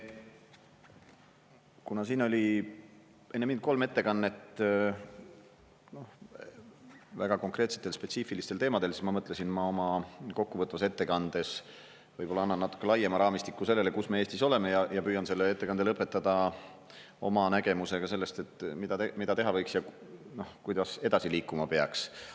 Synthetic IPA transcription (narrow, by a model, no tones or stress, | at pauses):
kunɑsiːno̞lʲi | e̞nːemind̪̥̚ko̞lme̞t̪ːe̞kɑnːe̞t̪ | no̞h | væɡ̥ɑko̞ŋkre̞ːt̪se̥t̪ːˑe̞lspet̪siːfilist̪elt̪e̞ːmɑd̪̥e̞lsismɑmɤt̪ˑlesinmɑo̞mɑko̞kːuvɤt̪ːvɑse̞t̪ːekɑnd̪̥e̞s | vɤjpo̞lɑɑnːɑnːɑt̪ːˑu̥kːˑelɑjemɑɾɑːmist̪ikːˑuse̞lːe̞le̞kusme̞eːst̪iso̞le̞me̞jɑjɑpyːjɑnse̞lːee̞t̪ːe̞kɑnd̪elɤpːˑe̞t̪ːˑɑd̪ɑ | o̞mɑnæɡ̥e̞muse̞ɡ̥ɑs̬e̞lːest̪e̞t̪ːˑmid̪̥ɑt̪emid̪ɑt̪e̞ɦɑvɤ̞jksjɑno̞hkujd̪ɑse̞d̪̥ɑsiliːkːˑumɑpe̞ɑks